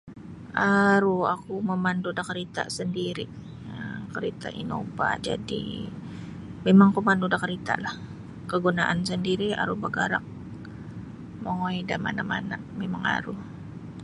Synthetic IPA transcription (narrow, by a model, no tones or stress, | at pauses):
aɾuakuməmandudakəɾit̪a̰səndiɾi | əkəɾit̪a̰ʔḭno̰ba̰d͡ʒa̰dḭ | memaŋkumandudakəɾit̪a̰lah | kəɡunaʔansəndiɾia̰ɾubəɡaɾak̚ | mojdama̰namanaʔmemaŋa̰ɾu